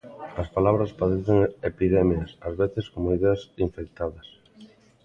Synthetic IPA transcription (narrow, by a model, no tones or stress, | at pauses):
ɐspalaβɾɐspaðeθeŋepiðɛmjɐsɐzβeθeskomoiðeɐsiɱfek̚t̪aðɐs